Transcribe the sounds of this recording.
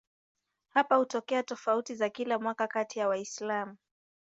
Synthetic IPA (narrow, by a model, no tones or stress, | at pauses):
hapahutɔkɛatɔfautizakilamwakakatijawaislamu